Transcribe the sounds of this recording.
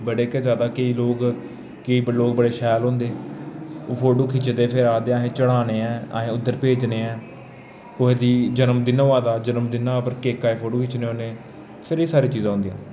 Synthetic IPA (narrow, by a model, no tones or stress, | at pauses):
bəɽeːkɛzjaːd̪aːkeiːloːɡ | keiːbloːɡbəɽeːʃɛːlɦõːnd̪eː | oːpʰoːɖoːkʰiːt͡ʃd̪eːpʰɪɾaːd̪eːaːɦẽːt͡ʃəɽaːneːɛ̃ːa̰ːɦẽːʊd̪ːəɾpeːd͡ʒneːɛ̃ː | koːɦeːd̪iːd͡ʒənəmd̪ɪnõːʋaːd̪aːd͡ʒənəmd̪ɪnaːpəɾkeːkːaːeːpʰoːɖoːkʰiːt͡ʃnẽːõːneː | pʰɪɾeːsaːɾiːt͡ʃiːzãːɦʊ̃nd̪ijã̰ː